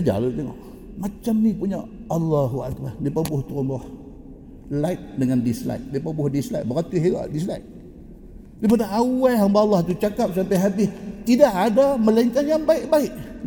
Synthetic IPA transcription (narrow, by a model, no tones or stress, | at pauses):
d͡ʒa̰lut̪eŋɔ̰ʔ | mat͡ʃamnipuɲaalːaɦua̰ʔt̪̚padipabʊht̪uɾɔmbɔh | lajt̪̚dəŋandisla̰jt̪̚dipəbʊhdisla̰t̪̚bəɣat̪iɦiɣa̰ʔdisla̰jt̪̚ | dip̬adaʔawaɦambalːɑht̪ut͡ʃakap̚sampajɦabɪht̪idaʔadaməlaiŋkanjaŋbaiʔbaɪʔ